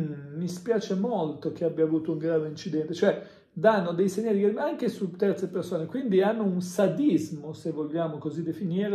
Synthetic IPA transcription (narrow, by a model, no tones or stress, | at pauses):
mispjaːt͡ʃemolt̪ok̟eabːjaːvuːt̪ouŋɡɾaːveint͡ʃid̪ɛnt̪e̥t͡ʃoɛ | d̪anːod̪ejseɲːaːɾikeɾmaŋk̟esut̪ːɛɾt̪sepeɾsoːnekwind̪ianːounsad̪izmosevːoʎːaːmokozid̪ːefiniːɾ